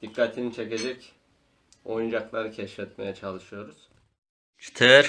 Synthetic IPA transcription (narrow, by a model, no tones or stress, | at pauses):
d̪̥ikʰːat̪ʰinit͡ʃʰe̞ce̞d͡ʒɛc | o̞jund͡ʒaklˠaɾɯcʰɛʃfɛt̪majat͡ʃʰalˠɯʃɯjo̞ɾuz̥ | t͡ʃʰt̪ʰɛɾ